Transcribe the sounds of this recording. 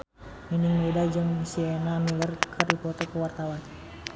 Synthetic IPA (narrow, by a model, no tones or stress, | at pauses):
miniŋmɛdad͡ʒəŋsiɛnamilərkʰərdipɔt̪ɔkəwart̪awan